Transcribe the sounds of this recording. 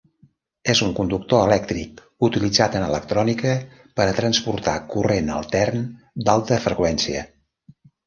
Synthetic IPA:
ezuŋkund̪uk̚t̪oəlɛk̚t̪ɾik | ut̪ilid͡zat̪ənələk̚t̪ɾɔnikə | pəɾət̪ɾənspuɾt̪akurenə̰lˠt̪ɛrn | d̪alˠt̪əfɾəkwɛnsiə̰

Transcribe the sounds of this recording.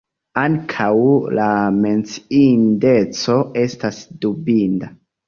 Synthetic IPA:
aŋkʰawlame̞nt͡sinde̞t͡so̞e̞stasdubinda

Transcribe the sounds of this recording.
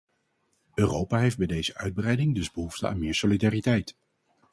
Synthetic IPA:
øːrowpaːɦejfd̚bɛjdejzəʔœɥd̚brɛjdɪŋdɵzbəɦuftəa̰ːnmɪːɹsolidaːritɛjt

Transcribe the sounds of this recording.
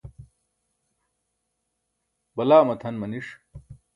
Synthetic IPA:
bɐlaːmɐt̪ʰɐnmɐniʂ

